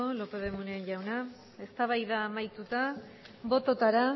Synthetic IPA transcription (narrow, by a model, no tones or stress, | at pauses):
olo̞peðemuneʝawna | e̞st̪aβ̞ajðaːmajt̪ut̪a | bo̞t̪o̞t̪aɾa